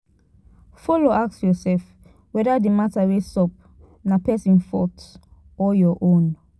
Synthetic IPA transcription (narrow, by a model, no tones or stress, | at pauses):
fɔloʔaksjɔsɛlf | wɛdadematawesɔp̚ | napɛsĩnfɔt | ɔjɔʔõn